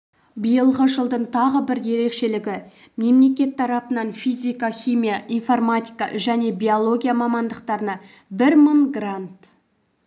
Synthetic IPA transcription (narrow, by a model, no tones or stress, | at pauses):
bəjəlˠʁəʒəlˠd̪əɴt̪ʰɑʁəbɪɾje̞ɾe̞kʃe̞lɪɡʲɪ | me̞mle̞k̬ʲe̞t̪ʰːɑɾɑpənɑnfijzʲijkaχʲijmijaʔijnformat̪ʲijkɑ̰ʒæne̞bʲijo̞lˠo̞ɡʲijamɑmɑnd̪əqt̪ɑɾənɑ | bɪɾməɴɡrant̪